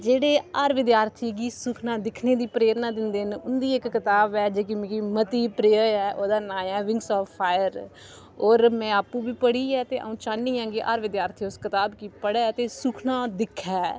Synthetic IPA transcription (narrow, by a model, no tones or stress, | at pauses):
d͡ʒeːɽeːaːɾʋɪd̪jaːɾt̪ʰiːɡiːsʊkʰnãːd̪ɪkʰneːd̪iːpɾeːɾnaːd̪ɪnd̪eːnʊnd̪iːɪkːɪt̪aːbɛːd͡ʒeːk̬ɪmɪ̃kiːmət̪iːpɾeːəɛːʔoːd̪aːnãːjɛːʋɪ̃ŋɡsɔːfpʰːaːjəɾ | oːɾmɛ̃ːaːpːũːbiːpəɽiːɛːt̪eːʔə̰ũːt͡ʃaːnːiːɦãːŋɡiːʔa̰ːɾʋɪd̪jaːɾt̪ʰiːʊskɪt̪aːbkiːpəɽɛːt̪eːsʊkʰnãːd̪ɪkʰːɛː